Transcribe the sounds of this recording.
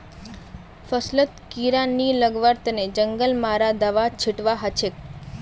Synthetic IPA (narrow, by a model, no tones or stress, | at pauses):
fəslət̪kiɾanːiləɡʋəɾt̪ned͡ʒəŋɡəlmaɾad̪əʋat͡ʃʰɪʈʋaɦət͡ʃʰek